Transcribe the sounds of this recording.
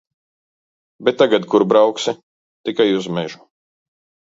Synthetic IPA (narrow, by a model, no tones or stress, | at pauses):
bet̪ːaɡad̪kuɾbɾawksi | t̪ikajuzmɛʒu̥